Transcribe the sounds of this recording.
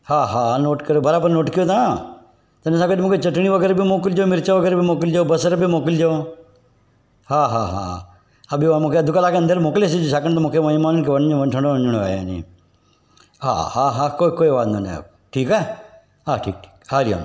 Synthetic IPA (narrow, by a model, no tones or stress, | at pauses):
haːɦaːnoːʈkəɾjoːbɐɾaːbəɾnoːʈkijot̪ʰa | t̪ɐnesãkədmũːkʰet͡ʃəʈɳ̃iʋəɡɛːɾbʱimoːkɪld͡ʒemɪɾt͡ʃaʋəɡɛːɾbʱimoːkɪld͡ʒaobɐsəɾbimoːkɪld͡ʒo | ɦaːɦaːɦa̰ | ɐbʱiʋmũːkʰeɐd̪ʊkalaːkeɐ̃nd̪əɾmoːkles̬id͡ʒosaːkəñt̪omũːkʰemɐimaːnənkʰeʋɐnõʋəʈʰə̃ɳɖõd͡ʒuɽ̃oa̰ːja̰ːnḭ | ɦa̰ːhaɦaːkoːkoːiʋaːt̪nonḛ | ʈʰiːkɛː | ɦaːʈʰḭːk̚ʈʰi̥ːkaːɾia̰ːn